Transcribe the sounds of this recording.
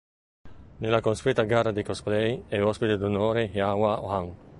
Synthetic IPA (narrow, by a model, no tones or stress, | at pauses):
nelakonspit̪aɡarad̪ikosplɛjɛɔspit̪ed̪unoːɾehjawaohaŋ